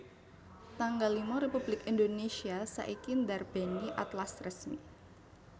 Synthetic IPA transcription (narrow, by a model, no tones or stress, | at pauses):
t̪aŋɡalimɔɾepublɪkindonesiasa̰ʔikɪndarb̥ɛniʔat̪lasrəsmḭ